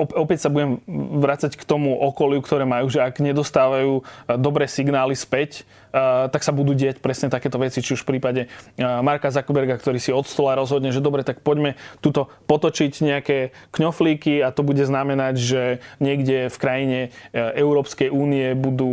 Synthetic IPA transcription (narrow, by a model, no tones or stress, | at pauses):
ɔpɔpɛcsabuɟɛmʋɾat͡sackt̪ɔmuʔɔkɔlɪukt̪ɔɾɛːmajuːʒɛaɡɲɛd̪ɔst̪aːʋajuːd̪ɔbɾɛːsiɡnaːlispɛc | t̪aksabud̪uːɟɪacpɾɛsɲɛt̪akɛːt̪ɔʋɛt͡sit͡ʃiuʃfpɾiːpaɟɛmaɾkazakɔbɛɾɡakt̪ɔɾiːsiɔt̪st̪ɔlaɾɔzɦɔd̪ɲɛʒɛd̪ɔbɾɛt̪ak̚pɔɟmɛt̪ut̪ɔpɔt̪ɔt͡ʃicɲɛakɛːkɲɔfliːkiat̪ɔbuɟɛznamɛnaɟʒɛɲɪɛɡɟɛfkɾajiɲɛɛʊɾɔːpskɛjuːniɛbud̪uː